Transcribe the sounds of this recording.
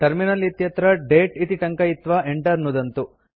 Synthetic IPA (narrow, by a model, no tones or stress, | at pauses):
ʈɐɾminɐlit̪jɐt̪ɾɐɖeːʈit̪iʈɐŋkɐit̪ʋɐeɳʈɐɾnud̪ɐnt̪u